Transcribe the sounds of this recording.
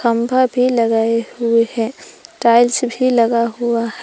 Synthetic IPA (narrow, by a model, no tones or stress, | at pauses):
ɐ̃mbʱabʱilɐɡaːeɦʊehɛ̃ːʈaːɪlsbʱilɐɡaɦʊaɦɛ